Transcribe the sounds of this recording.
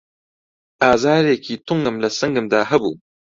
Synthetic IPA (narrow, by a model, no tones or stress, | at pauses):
ʔaːzaːɾeːkʰiːt̪uŋɡɨmlɐsɐŋɡɨmd̪aːɦɐbṵː